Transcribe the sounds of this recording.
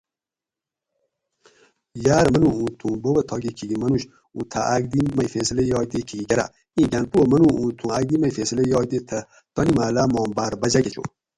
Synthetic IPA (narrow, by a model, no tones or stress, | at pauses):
jaːɾmɐnuũːt̪ʰũːbowɐt̪ʰɔːɡekʰiɡimɐnuʃ | ut̪ʰa̰ʔaɡd̪imɐjfesəlɐjɔːd̪ekʰiɡiɡɐɾa̰ | ĩːɡanpuwəmɐnuũːt̪ʰũaɡ̚d̪imɐjfesəlɐjɔːjd̪et̪ʰɐ | t̪ɔnimaːlamɔːmbaɾbɐd͡ʒaɡet͡ʃʰo̰